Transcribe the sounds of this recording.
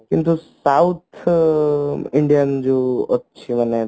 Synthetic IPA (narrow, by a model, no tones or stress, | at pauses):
kint̪usaut̪ʰ | ɪɳɖijənd͡ʒoətːʃʰiməne